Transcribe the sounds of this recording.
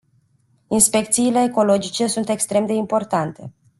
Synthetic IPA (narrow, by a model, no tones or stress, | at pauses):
inspe̞kt̪siːle̞ːko̞lo̞d͡ʒit͡ʃe̞sunt̪e̞kst̪ɾe̞md̪e̞impo̞rt̪ant̪e̞̰